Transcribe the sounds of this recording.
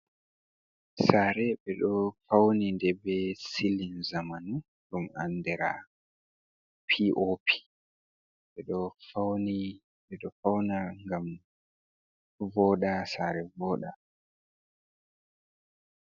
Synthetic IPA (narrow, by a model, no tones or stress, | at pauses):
saːɾɛɓɛɗɔfawnindɛbɛsilinzamanu | ɗuma̰ndɛɾa | pʰiʔopʰi̥ | ɓɛɗɔfawni | ɓɛɗɔfawnaŋɡam | vɔɗasaːɾɛvɔːɗa